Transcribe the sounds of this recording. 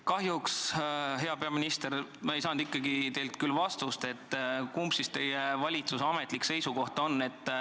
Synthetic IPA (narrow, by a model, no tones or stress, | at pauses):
kɑɦjuksɦe̞ɑpe̞ɑminist̪eɾmɑe̞jsɑːnd̪ikˑːɑɡit̪e̞jlt̪kylːvɑst̪ust̪e̞t̪ːkumpsist̪e̞jevɑlʲit̪susɑmet̪likse̞jsuko̞ht̪o̞nːe̞t̪ː